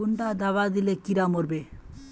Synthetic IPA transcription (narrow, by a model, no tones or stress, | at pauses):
uɳʈad̪aβad̪ilekiɾamoɾbe